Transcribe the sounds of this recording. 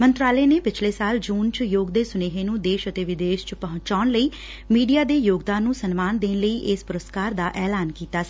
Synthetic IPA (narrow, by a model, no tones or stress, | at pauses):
mənt̪ɾaːleːneːpɪt͡ʃʰleːsaːld͡ʒuːnt͡ʃjoːɡd̪eːsʊneːɦeːnũːd̪eːʃət̪eːʋɪd̪eːʃt͡ʃpəɦʊ̃ɲt͡ʃaːnləiː | miːɖijaːd̪eːjoːɡd̪ãːnːũːsənmaːnd̪eːnləiːʔɪspʊɾəst̪kaːɾd̪aːʔɛːlaːnkiːt̪aːsiː